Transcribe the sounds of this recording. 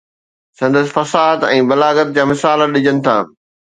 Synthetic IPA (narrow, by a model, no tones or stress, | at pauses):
sɐ̃nd̪əsɪ̥̆fɐsaːd̪ɛ̃ːbɐlaːɡət̪̚d͡ʑaːmɪsaːləɗɪd͡ʑənɪ̆t̪ʰa̰ː